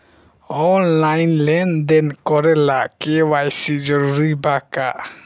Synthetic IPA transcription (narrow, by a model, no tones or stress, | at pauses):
ɔnlajnlɛnd̪ɛnkɔɾɛlakewajsid͡ʒɔɾuɾibaka